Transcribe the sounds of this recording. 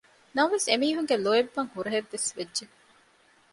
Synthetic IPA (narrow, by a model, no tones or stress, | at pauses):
nɐmʋesemiːɦuŋɡeloebːɐŋhuɾɐɦeʋːesʋedʒe